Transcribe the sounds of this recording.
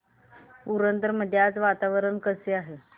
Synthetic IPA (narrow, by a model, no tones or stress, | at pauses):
uɾənt̪əɾməd̪ʱːjat͡sʋat̪aʋəɾəɳkəseaɦe